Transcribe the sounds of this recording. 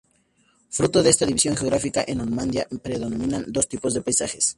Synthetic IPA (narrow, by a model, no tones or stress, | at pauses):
fɾut̪oðeest̪aðiβisjo̞ŋxeɣɾafikaʔenonmãnd̪ja̰pɾeðonomĩnand̪o̞st̪ipo̞zðepajsaxes